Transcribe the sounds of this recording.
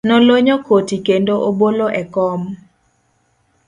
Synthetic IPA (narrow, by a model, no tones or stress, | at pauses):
nɔloɲɔkotikendoʔoboloʔɛkɔm